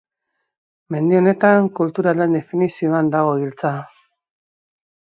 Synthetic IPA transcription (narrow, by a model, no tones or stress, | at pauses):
me̞nd̪io̞ne̞t̪aŋkult̪uɾalend̪e̞finisio̞and̪aɣ̞o̞ilt͡sa